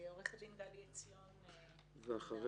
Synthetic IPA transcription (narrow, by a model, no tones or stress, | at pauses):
oʁeχadind̪alijet͡sion | veaχaʁ